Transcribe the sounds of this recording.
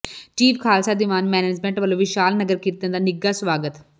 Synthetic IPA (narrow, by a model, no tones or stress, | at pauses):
t͡ʃiːpʰkʰaːlsaːd̪ɪʋaːnmɛːneːd͡ʒmɛ̃ɳʈʋəlõːʋɪʃaːlnəɡəɾkiːt̪ə̃nd̪aːnɪɡaːsʋaːɡət̪